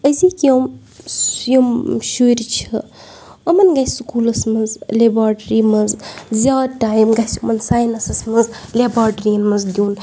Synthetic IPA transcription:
əzikijom | jomʃuɾt͡ʃʰɐ | ɐmɐnɡajsukuːlɐsmɐzlebɾaːʈɾimɐzzʲaːdʈaːjmɡɐsɐmɐnsaːjnɐsɐsmɐzlebɾaːʈəɾijɐnmɐzd̪ʲuːn

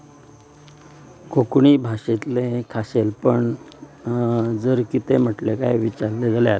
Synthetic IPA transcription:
kʰokɳiːbʱaɕet̪lekʰaɕelpəɳ | d͡zəɾkit̪em̤əʈleka̰jʋit͡ɕaɾled͡zaleat̪

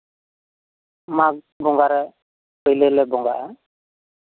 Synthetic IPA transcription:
mak̚ | bɔŋɡaɾɛ | pɔjlelɛbɔŋɡa̰ʔa

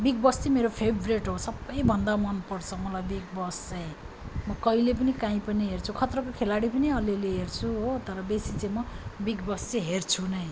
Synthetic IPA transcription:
biɡ̚bʌst͡simeɾopʰebʱreʈɦosʌbːʌjbʱʌnd̪amʌnpʌrt͡sʰʌmʌlajbiɡ̚bʌst͡saj̃ | mʌkʌilep̬ʌnikãĩpʌniɦert͡sʰukʰʌt̪rʌkokʰelaɽipʌniʌleleɦert͡sʰuɦot̪ʌɾʌbesit͡saj̃mʌ | biɡbʌst͡siɦert͡sʰunʌj

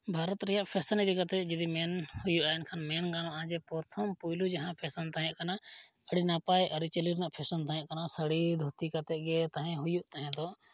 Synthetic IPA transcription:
bʱaɾɔt̪ɾɛjaʔpʰɛsənid̪ikat̪ɛʔd͡ʒud̪imɛnhujuʔaɛnkʰanmɛnɡanɔ̃ʔãd͡ʒɛpɔɾt̪ʰɔmpujlud͡ʒaɦãpʰɛsənt̪aɦɛ̃ʔkana | əɽinapajʔəɾit͡ʃəliɾnaʔpʰɛsənt̪aɦɛ̃ʔkanasəɽid̪ʱut̪ikat̪ɛʔɡɛt̪aɦɛ̃ɦujuʔt̪aɦɛ̃d̪ɔ

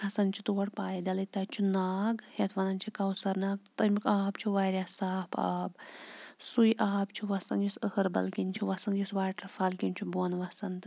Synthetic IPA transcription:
hɐsɐnt͡ʃʰut̪uːɐɽpaːjd̪ɐlɐt̪ɐt͡ʃʰunaːɡhet̪ʰʋɐnɐnt͡ʃʰikɐwsɐɾnaːɡ̚t̪t̪ɐmikaːbt͡ʃʰuʋaːɾjaːsaːpʰa̰ːbsujʔaːbt͡ʃʰuʋɐsɐ̰njusəhəɾbɐ̰lkinʲt͡ʃʰuʋɐsɐnjusʋaːʈɐfɐlkinʲt͡ʃʰuboːnʋɐsɐnt̪ɨ

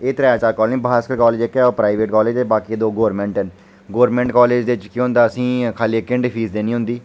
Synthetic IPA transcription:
eːt̪ɾɛːt͡ʃaːlkɔːɾlnĩːbaːskəlkɔːleːd͡ʒekːɛːoːpɾaːiʋeːʈkɔːleːd͡ʒt̪eːbaːkiːd̪oːɡoːɾmɛ̃ɳʈɛn | ɡoːɾmɛ̃ːɳʈkɔːleːd͡ʒd̪eɪt͡ʃkiɦʊ̃nd̪aːəsĩːkʰaːliːekːɪ̃ɳɖɪpʰiːsd̪eːnĩːɦʊ̃nd̪iː

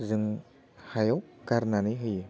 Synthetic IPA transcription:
zɯŋ | hajɔwkaɾnaniɦɯj

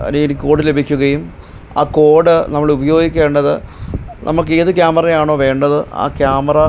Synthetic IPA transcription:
ɐ̰ninikʲːo̞ːɽɨle̞bʱikʲːuɣɐjum | a̰ːko̞ːɽɨnɐmːɐɭubɐjo̞ːɡikʲːe̞ːɳɖɐðɨnʔɐ̰mːɐɭkːe̞ːðɨk̬jaːmɐrɐjaːɳo̞ːʋe̞ːɳɖɐðɨa̰ːkjaːmɐrɐ

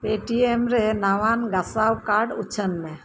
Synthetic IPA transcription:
peʈiemɾenaʋanɡasawkaɾɖʊt͡ʃʰənmẽ

